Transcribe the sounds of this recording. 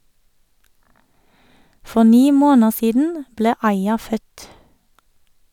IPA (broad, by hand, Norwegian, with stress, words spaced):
ˈfɔ ˈniː ˈmoːnəʁ ˈsiːdn̩ ˈbleː ˈɑɪɑ ˈfœt